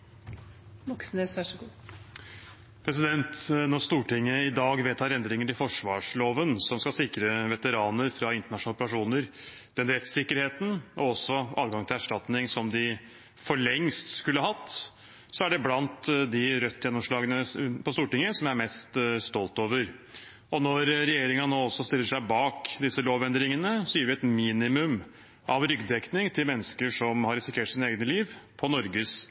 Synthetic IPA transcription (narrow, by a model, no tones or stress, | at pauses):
mɔksnəsæʂɡuː | pʰɾɛsɪd̪ɛnt̪nɔɾst̪uːʈɪŋːəɪd̪ɑːɡʋɛlt̪ʰɑːɾɛnd̪ɾɪŋəʈɪlfɔʂʋɑːʂloːʋənsɔmskɑsɪkɾəʋɛt̪əɾɑːnəɾfɾɑɪnt̪əɳɑʂʊnɑlɔpəɾɑʂuːnəɾ | d̪̥ɛnɾɛt̪sɪkːəɾheːt̪n̩ɔɔsːɔʔɑ̰ːd̪ɡɑŋt̪ʰɪlæʂʈɑt̪nɪŋsɔmd̪ɪ | fɔɭɛŋst̪skʉlːəɦɑt̪ː | sɔæɖɛblɑnt̪d̪ɪɾœt̪ʰːjɛnːɔmʂɭɑːɡənəpʰɔst̪uːʈɪŋːəsɔmjææɾmɛst̪st̪ɔlt̪oːʋəɾ | ɔnɔɾɾɛjeːɾɪŋɑnoːɔsːɔst̪ɪlːəʂæɪbɑːkd̪ɪsːəloːʋɛnd̪ɾɪŋənəsɔjiːɾʋɪɛt̪miːnɪmʉm | ʔɑʋɾʏɡd̪ɛknɪŋt̪ʰɪlmɛnːəskəʂɔmhɑɾɪsɪkʰeːʈsiːnəeːɡnəliːʋpʰɔnɔɾɡəs